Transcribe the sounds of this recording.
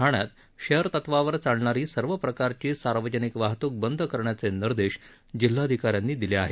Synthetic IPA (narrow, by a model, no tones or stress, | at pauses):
aɳjat̪ | ɕejəɾt̪ət̪ʋaʋəɾt͡saɽɳaɾiːsəɾʋəpɾəkaɾt͡ɕiːsaɾʋəd͡ʑənikʋaɦt̪uːk̚bənd̪ʱəkəɾɳjat͡seniɾd̪eɕ | d͡ʑil̤ːaəd̪ʱikaɾjanːiːd̪ileaɦe